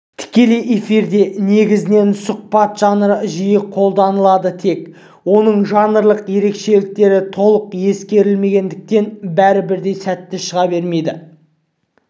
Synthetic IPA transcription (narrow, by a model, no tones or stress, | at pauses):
t̪ʰɪ̥kʲe̞le̞jʔe̞fiɾd̪e̞ne̞ɡʲɪzɪne̞nsʊq̚pɑt̪ʒ̥ɑnəɾəʒijəqʰo̞lˠd̪ɑnəlˠɑd̪ət̪ʰe̞k | wo̞nəɴʒɑnəɾlˠəqje̞ɾe̞kʃe̞lɪk̚t̪e̞ɾɪt̪ʰo̞lˠəqje̞skʲe̞ɾɪlme̞ɡʲe̞nd̪ɪk̚t̪e̞nbæɾɪbɪɾd̪e̞jsæt̪ːɪʃəʁɑbe̞ɾme̞jd̪ɪ